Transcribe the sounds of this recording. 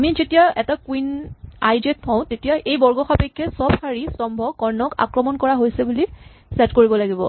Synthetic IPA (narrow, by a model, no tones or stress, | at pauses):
amizetijaɛtakwinajdet̚pʰɔ̃ʊ̃tetijaʔejbɔɹɡɔxapɛkʰːɛsɔbxaɹisɔmbʱɔkɔɹnɔka̰kɹɔmɔnkɔɹaɦojsɛbuli | sɛtkoɹibɔlaɡibɔ̰